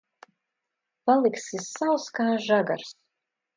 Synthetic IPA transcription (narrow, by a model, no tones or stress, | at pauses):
palˠiksisawskaːʒaɡa̰ɾs